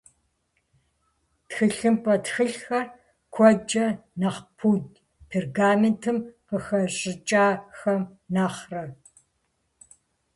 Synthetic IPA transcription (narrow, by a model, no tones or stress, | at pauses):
txɨɬɨmpʼɐtxɨɬxɐr | kʷʰɔd͡ʒɐnaχpʰutʼ | pʰerɡaːmentʰɨmqəxɐɕʼɪt͡ʃʼaːxɐmnaːχrɐ